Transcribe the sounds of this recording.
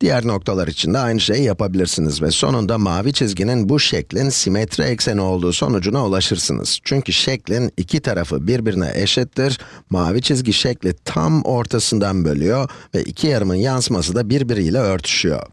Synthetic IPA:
d̪̥ijæɾno̞k̚t̪ʰalˠaɾit͡ʃʰind̪ɛajnɯʃe̞jijapabilʲiɾsinizvɛso̞̰nund̪amaːvit͡ʃʰizɟininbuʃɛclʲinsimɛt̪ʰɾɛɛcsenio̞lˠd̪uːso̞̰nud͡ʒunaulˠaʃɯɾsɯ̰nɯ̰z̥t͡ʃʰyɲcyʃɛclʲinicʰit̪ʰaɾafɯ̰biɾbiɾinɛ̰ʔɛʃɛt̪ʰːiɾmaːvit͡ʃʰizɟiʃɛclʲit̪ʰa̰mo̞ɾt̪ʰasɯnd̪anbø̞lʲyjo̞vɛ̰ʔḭcʰijaɾɯmɯnjansmas̬ɯd̪abiɾbiɾijlʲɛø̞ɾt̪ʰy̥ʃyjo̞̰

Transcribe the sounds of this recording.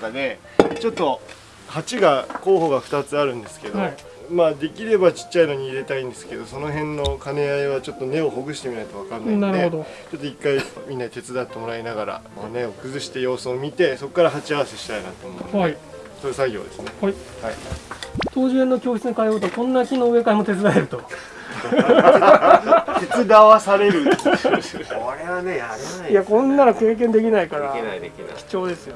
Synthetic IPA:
ad̪e̞ | t͡ɕo̞t̪ːo̞ | hat͡ɕiɡako̞ːɦo̞ɡaɸɯ̟̥t̪at͡sɨaɾɯ̟̃nd̪e̞sɨ̥ke̞d̪oi | maːd̪e̞kʲiɾe̞bat͡ɕi̥t͡ɕːaino̞ɲ̟iːɾe̞t̪aĩnd̪esɨ̥ke̞d̪o̞so̞no̞ɦẽ̞nːo̞kane̞aiβ̞at͡ɕo̞t̪ːo̞ne̞o̞ɦo̞ɡɯ̟ɕi̥t̪e̞mʲinait̪o̞βakanːanaɾɯeod̪o | t͡ɕo̞t̪ːoikːaimʲĩnːait̪e̞t͡sɨd̪at̪ːomoɾainaɡaɾa̰moːne̞o̞kɯ̟zɨɕi̥t̪e̞jo̞ːsɨomʲit̪e̞so̞kːaɾaɦat͡ɕiaβase̞ɕi̥t̪aina̰t̪oːmo̥i | soesaɡʲo̞̰ːd̪e̞sɨnehai | hai | t̪o̞ːʑɨenːokʲo̞ːçi̥t͡sɨnokaioːt̪oakõ̞nːakʲino̞ːɯe̞kaimo̞t̪e̞t͡sɨd̪aeɾɯ̟t̪o̞ | t̪e̞t͡sɨd̪aβasaɾe̞ɾɯ̟ | oɾeβaneajakõ̞nːaɾake̞ːk̬ẽnd̪e̞kʲinaikaɾaad̪ekʲin̰kʲi̥t͡ɕo̞ːd̪e̞sɨjo̞

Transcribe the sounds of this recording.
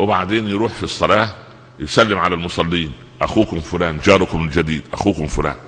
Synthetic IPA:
wɪbaʕd̪eːnjɾuːħfisˤːɑlɑː | jesælːɪmʕalælmʊsˤɑlːiːn | ʔæxuːkʊmfʊlæːnd͡ʒɑːɾˤʊkʊmld͡ʒæd̪iːd̪ʔæxuːkʊmfʊlæ̰ːn

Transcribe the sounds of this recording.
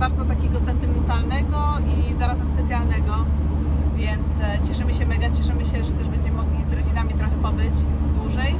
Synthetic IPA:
baɾd̪zɔt̪akʲeɡɔsɛnt̪ɘmɛnt̪alnɛɡɔ | izaɾazɛmspɛt̪sʲjalnɛɡɔ | vʲjɛnt̪st͡ɕɛʂɘmɘɕɛmɛɡat͡ɕɛʂɘmɘɕɛʐɛt̪ɛʐbɛɲd͡ʑɛmɘmɔɡlʲizɾɔd͡ʑinamʲit̪ɾɔxɛpɔbɘt͡ɕd̪wuʐɛj

